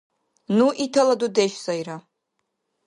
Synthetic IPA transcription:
nuʔitʰaladudeʃsajɾa

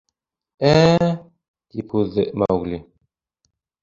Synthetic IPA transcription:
æ | t̪ipuðːɘma̰uɣli

